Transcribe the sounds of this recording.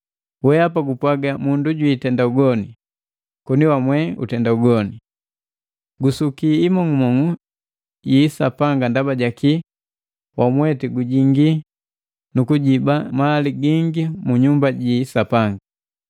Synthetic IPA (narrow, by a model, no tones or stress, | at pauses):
wɛapaɡupwaɡamunduɟwitɛndauɡɔni | kɔniwamwɛṵtɛndauɡɔni | ɡusukiːmɔŋumɔŋu | jisapaŋɡandabaɟaki | wʔamwɛtiɡuɟiŋɡi | nukuɟibamaliɡiŋɡimuɲumbaɟisapaŋɡa